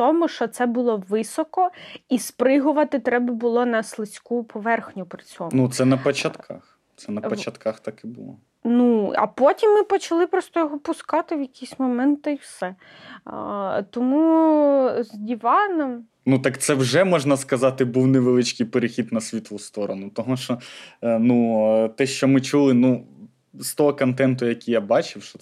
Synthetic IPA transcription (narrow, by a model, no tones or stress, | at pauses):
t̪ɔmʊʃt͡ʃɔt̪sɛbʊlˠɔʋɪsɔkɔispɾɪɦʊʋɐt̪ɪt̪ɾɛbɐbʊlˠɔnɐslˠɪsʲkupʰɔʋɛrxnʲʊpɾɪt͡sʲɔnut̪sɛnɐpɔt͡ʃɐt̪kʰɑ̰x | t̪sɛnɐpɔt͡ʃɐt̪kaxt̪ɑkɪbʊlˠɔ̰ | nuɐ̰pɔtʲimːɪpɔt͡ʃɐlˠɪpɾɔst̪ɔjɔɦɔpʊskɑt̪ɪwjɐkʲijsʲmɔmɛnt̪ɪiwsɛ | t̪ɔmu | zʲdʲiʋɑnɔm | nut̪ɑkt̪sɛwʒɛmɔʒnɐskɐzɑt̪ɪbuwneʋelˠɪt͡ʃkɪjpeɾexʲid̪nɐsʲʋʲit̪lˠʊst̪ɔɾɔnʊt̪ɔmuʃɔnut̪ɛʃt͡ʃɔmɪt͡ʃulˠɪnu | st̪ɔɦɔkɔnt̪ɛnt̪ʊjɐkʲijabɑt͡ʃɪwʃɔ